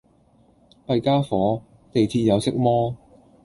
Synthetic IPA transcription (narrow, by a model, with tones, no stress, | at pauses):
pɐ˧jkaː˥fɔː˨˥ | t̪e˨jt͡sʰiː˧t̚jɐ˨˧wsɪ˥k̚mɔː˥